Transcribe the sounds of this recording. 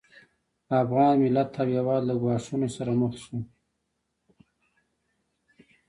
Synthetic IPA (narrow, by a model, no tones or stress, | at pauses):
afɣɑːnmɪlat̪ʰːabjawɑːd̪laɡwɑʂunosaɾamʊxt̪ʃu